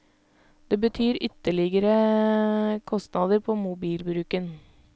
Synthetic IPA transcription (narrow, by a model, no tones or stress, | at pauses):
d̪̥eːbət̪ʰyːɾʏt̪əɭɪɡəɾə | kʰɔst̪nɑːd̪əɾpʰoːmʊbiːlbɾʉːkən